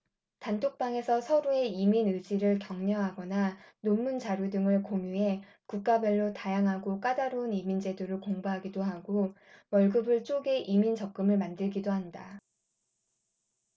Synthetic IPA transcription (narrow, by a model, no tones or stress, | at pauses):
tantʰok̚p͈aŋe̞sʰʌsʰʌɾue̞iminɯd͡ʑiɾɯɭkjʌŋɲʌɦaɡʌnanomːunt͡ɕaɾjudɯŋɯɭkoŋjue̞ | kuk̚k͈abeɭːotajaŋɦaɡok͈adaɾounimind͡ʑe̞doɾɯɭkoŋbaɦaɡidoɦaɡo | wʌɭɡɯbɯɭt͡ɕ͈oɡe̞ʔimint͡ɕʌk̚k͈ɯmɯɭmandɯɭɡidoɦanda